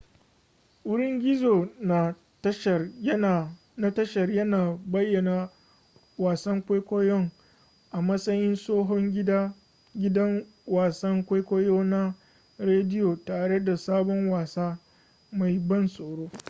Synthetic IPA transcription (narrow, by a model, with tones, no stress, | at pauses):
ʔʊ˦ɽɪ˦ŋɡʲɪ˦zoː˨na˨ | ɐ˦ʃɐ˨jɐ˦˨ | na˦tɐ˦ʃɐ˨rjɐ˦naː˨bɐ˦jːɐ˨na˨ | waː˨sɐ˦ŋkʷeː˦jkʷoː˦jɔ˦ŋ | ʔa˨mɐ˦sʼɐ˦jɪ˦nsoː˦ɦɔ˦ŋɡʲɪ˦daː˦ | ɡʲɪ˦dɐ˦ŋ | waː˨sɐ˦ŋkʷa˦jkʷoː˦joː˦na˦ | ɾeː˦dɪ˦joː˨taː˨ɽe˦da˨saː˦bɔ˦ŋwaː˨saː˦ | ma˨jbɐ˦nsʼoː˨ɽoː˦